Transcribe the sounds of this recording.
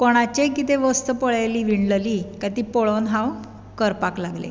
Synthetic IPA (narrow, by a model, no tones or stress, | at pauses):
koɽ̃at͡ɕekit̪eʋəst̪əpəɭajliːʋiɳləlikat̪iːpɔɭonɦãw | kəɾpaklaɡlḛ